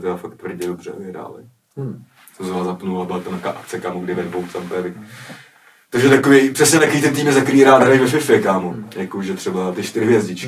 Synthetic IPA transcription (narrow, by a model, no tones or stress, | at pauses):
t̪ɛafak̚t̪vr̩ɟɛdobrɛ̰vɪɦɾa̰ːlɪ̰ | sɛmsɛvaːzapnulabɪlat̪omaka̰ːʔakt͡sɛkaːmuɡdɪvɛdbowt̪t͡samt̪ɛvɪ | t̪oʒɛt̪akovɛjpr̥ɛsɲɛt̪akoviːt̪ɛnt̪iːmɛzakɾiːɾaːd̪ɦɾajvɛʃɪfɛkaːmojakoʒɛt̪r̥ɛbat̪ɪʃt̪ɪɾɪvɪjɛzɟɪt͡ʃk